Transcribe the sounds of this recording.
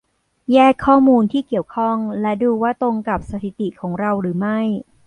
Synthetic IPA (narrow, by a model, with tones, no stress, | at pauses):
jɛː˥˩kʰːɔː˥˩muː˧nt̪ʰiː˥˩ki˨˩əwkʰɔ˥˩ŋlɛ˦˥duː˧waː˥˩t̪ɾo˧ŋka˨˩p̚sa˧t̪ʰi˨˩t̪i˨˩kʰɔː˩˦ŋɾa˧wɾɯː˩˦ma˥˩j